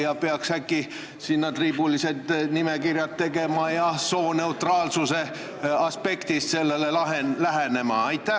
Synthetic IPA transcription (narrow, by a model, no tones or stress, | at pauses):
jɑpeɑkshækˑːi | sinːɑt̪riːbulise̞t̪nimekirjɑt̪ːe̞ɡe̞mɑjɑso̞ːne̞ut̪rɑːlsuse̞ | ɑspe̞kt̪ist̪se̞lːe̞lelɑɦenlæɦene̞mɑ̰ɑjt̪ːˑæh